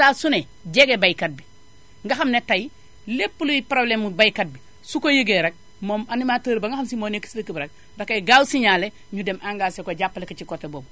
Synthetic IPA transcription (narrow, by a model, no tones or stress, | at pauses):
sasune | ɟeɡebajkɐt̚bi | ŋɡaxɐmnetaji | lepːuluipɾoblemubajkat̚bi | sukojəɡeɾek̚ | momanimaːtəːɾbaŋɡaxɐmsimoːneki̥sləkibɾɐk̚ | dakːajɡaːwsiɲaːle | ɲudemʔaŋɡaːsekoɟapːalekat͡ʃikotːebob